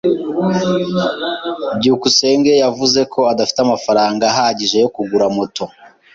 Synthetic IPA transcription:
bɟihukuse̞ːŋɡe̞javuze̞kʰo̞adafi̥teamafaɾaːŋɡaɦaɟiʒe̞jo̞kuɡuɾamoto̞

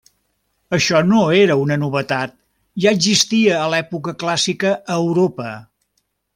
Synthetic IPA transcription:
əʃɔnoeɾəunənuβət̪at̪̚ | ʒaəɡzist̪iəːlɛpukəklasikəʔːwɾopə

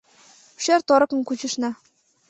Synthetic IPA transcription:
ʃert̪oɾɤ̆kɤ̆nkut͡ɕə̆ʃnɑ

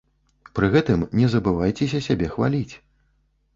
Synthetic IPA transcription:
pɾɨɣɛt̪ɨmnʲɛzɐbɨvajt͡sʲɛsʲɐsʲabʲɛxva̰lʲit͡sʲ

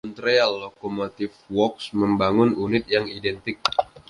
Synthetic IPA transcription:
ɔnt̪ɾialːokomot̪ɪfwɔksməmbaŋʊnunɪt̪̚jaŋidɛnt̪ɪk̚

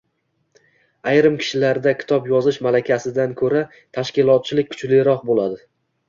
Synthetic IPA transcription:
ajɾɪmkʲʰɪ̥ʃɪlaɾd̪akʲʰɪ̥t̪ʰɒpjɒzɪʃmalakʲʰasɪd̪ankʰɵɾa | t̪ʰaʃkʲɪlˠɒt̪̚t͡ʃʰɪlɪk̚ʲkʰʊ̥t͡ʃlɪjɾɒq̚bolˠad̪ɪ

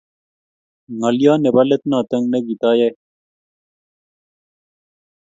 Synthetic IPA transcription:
ŋɐlijaːnebɐlet̪nãːt̪ɐŋɡneɡit̪aːje

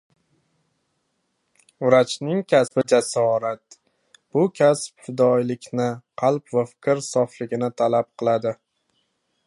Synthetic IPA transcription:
ʊɾat͡ʃʰnɪŋkʲʰasbɪd͡ʒasɒɾat̪̚ | b̥ʊkʲʰaspfɪd̪ɒjlɪkʲnɪqʰɑlˠpvafɪ̥kʲɪɾsɒflɪɡʲɪnɪt̪ʰalap̚qʰɨlˠad̪ɪ

